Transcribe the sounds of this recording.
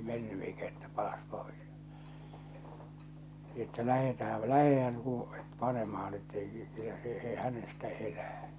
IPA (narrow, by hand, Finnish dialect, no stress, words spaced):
menːy eikæ etːæ pɑlɑs pois etːæ læhetæhæl læhehæn uː pɑnemɑhɑn etːei kylːæ se e hænestæ elæː